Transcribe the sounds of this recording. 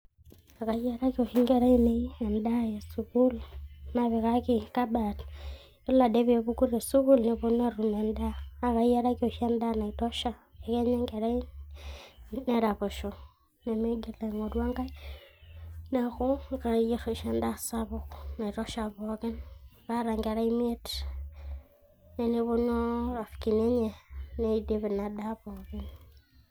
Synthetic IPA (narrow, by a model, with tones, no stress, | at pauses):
a˨ka˨˦e˦ɾa˦kio˨ʃi˦ŋɡe˨ɾa˦i˦ne˦i˦e˨nda˦je˨su˨ku˦lna˨βe˨ka˦ki˦ka˦ba˨t | e˦la˨de˦βe˨βu˦ku˦ɾe˨su˦ku˦lne˨βo˦na˦ru˨me˨ndaː˦˨ka˨je˦ɾa˦ko˨ʃe˦nda˦na˨i˨to˦ʃa˦e˨ke˦ɲe˦ŋɡe˨ɾa˦i˦ | ne˦ɾa˨βo˨ʃo˨ | ne˨me˦ɡe˨la˨ŋo˨dwa˦ŋɡa˦i˦ | na˨xu˦ŋka˨je˦ɾo˨ʃe˦nda˦sa˦βo˨xna˨i˨to˦ʃa˨βo˨ɣe˦nra˦ɾa˨ŋɡe˨ɾa˦i˦me˦t | ne˨ni˦βu˦no˦a˨fki˨ne˦ɲe˨ne˦i˨di˦βi˨na˨da˦βo˨ɣe˦n